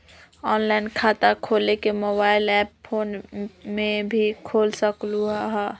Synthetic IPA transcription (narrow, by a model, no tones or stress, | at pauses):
ɔːnlaɪnkʰaːt̪akʰoːlekemoːbaːɪlɛːppʰoːnmẽbʱikʰoːlsəkluɦaɦɛ